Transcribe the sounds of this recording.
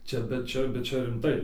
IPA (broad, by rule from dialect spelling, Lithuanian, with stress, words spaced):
ˈt͡ʃʲɛ bʲɛt ˈt͡ʃʲɛ bʲɛt ˈt͡ʃʲɛ rʲɪmˈtɐɪ